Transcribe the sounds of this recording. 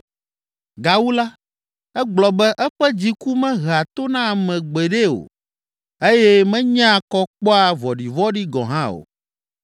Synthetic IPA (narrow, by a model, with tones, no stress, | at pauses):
ɡa˨wu˦la˦ | ɛ˦ɡ͡blɔ˨bɛ˦ʔɛ˦ɸɛ˦d͡ʑi˦ku˦mɛ̃˦ɦa˨t̪o˦nã˦˨mɛ̃˨ɡ͡be˨ɖe˦o̰˨ | e˦jɛ˦mɛ̃˦ɲã˦˨kɔ˦k͡pɔ˦a˨vɔ˨ɖi˨vɔ˦ɖi˦ɡɔ̰̃˨ɦã˦o̰˨